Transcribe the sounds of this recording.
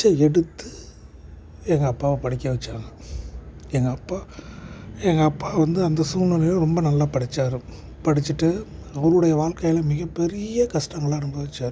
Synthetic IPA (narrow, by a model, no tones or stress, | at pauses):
t͡ʃːɐɛɽɯt̪ːɯ | ɛŋɡɐːpːaːʋɐpɐɽɪkʲːɐʋɐt͡ʃːaːŋɡɐ | ɛŋɡɐːpːaː | ɛŋɡɐːpːaːʋɐnd̪ɯɐnd̪ɐsʊnɐnɐjõɾɔmbɐnɐlːaːpɐɽɪt͡ʃːaːɾɯ | pɐɽɪt͡ʃːɯʈːɯɐʋɐɾɯɽɐjɐʋaːɭkɐjɪlɐmɪɣɐpːɛɾɪjɐkɐʂʈɐŋɡɐɭaːɐɽɯmbɐʋɐt͡ʃːaːɾɯ